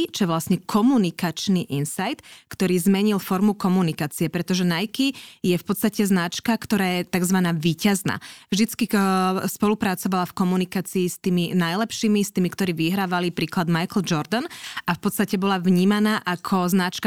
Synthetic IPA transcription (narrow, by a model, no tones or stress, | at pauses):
t͡ʃɔjɛʋlasɲɛkʰɔmunikat͡ʃniʔinsajt̪kt̪ɔɾiːzmɛɲilˠfɔɾmukɔmunikaːt͡siɛpɾɛt̪ɔʒɛnajkijɛfpɔt̪t͡sst̪acɛznat͡ʃkakt̪ɔɾaːjɛt̪aɡzʋanaːʋiːcazna̰ːvʒd̪it͡skispɔlupɾat͡sɔʋalafkɔmunikaːt͡siːst̪iːminajlɛpʃiːmist̪iːmikt̪ɔɾiːʋiɦɾaːʋalipɾiːklad̪majkl̩d͡ʒɔɾd̪ɔnafpɔt̪st̪acɛbɔlavɲiːmanaːʔakʰɔznat͡ʃka